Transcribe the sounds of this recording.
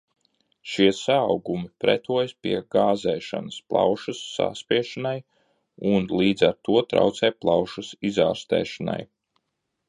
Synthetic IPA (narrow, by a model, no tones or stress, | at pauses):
ʃiɛsaːwɡumipɾɛ̰t̪uɔjspḭɛɡaːzɛːʃa̰nəsplˠɑ̰wʃɐsːa̰spʲiɛʃanaj | unlˠiːd̪zaɾt̪uɔt̪ɾa̰wt̪sɛːplˠɑwʃɐsizaːɾst̪ɛ̰ːʃana̰j